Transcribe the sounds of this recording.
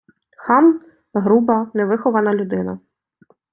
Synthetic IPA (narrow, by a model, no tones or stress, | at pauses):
xɑm | ɦɾubɐnɛʋɪxɔʋɐnɐlʲʊd̪ɪnɐ̰